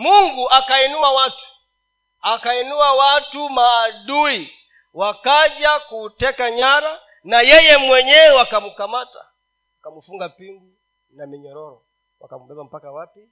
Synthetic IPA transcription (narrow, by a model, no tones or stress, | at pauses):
muŋɡuʔakainuwawatu̥ | akainuwawatumaːdui | wakaʄakutɛkaɲaɾa | najɛjɛmwɛɲɛwakamukamata̰ | wakamufuŋɡapiŋɡu | namɛɲɔɾɔɾɔ | wa̰kamubɛbam̩pakawapi